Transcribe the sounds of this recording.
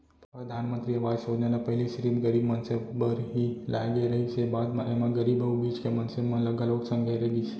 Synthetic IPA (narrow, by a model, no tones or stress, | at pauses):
pɾəd̪ʱanmənt̪ɾiəʋasod͡ʒnanapəɦliʃɾibɡəɾibmənsebbəɾɦilaɡeɾəɦit͡ʃʰebad̪mãʔemãɡəɾibəubid͡ʒkemənsemãləɡəloksə̃ŋɡʱəjɾəɡit͡ʃʰe